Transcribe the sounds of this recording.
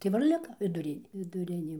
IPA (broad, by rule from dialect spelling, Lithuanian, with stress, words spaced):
tɐɪ ˈʋɐ ɪr ˈlʲɪkɐ ʋʲɪˈdʊrʲɪnʲ ʋʲɪdʊˈrʲɪnʲeː